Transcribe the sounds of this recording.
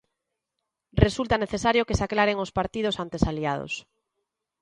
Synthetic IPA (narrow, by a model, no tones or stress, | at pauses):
result̪aneθesaɾjokesaklaɾeŋospaɾt̪ið̞osant̪esaliað̞o̰s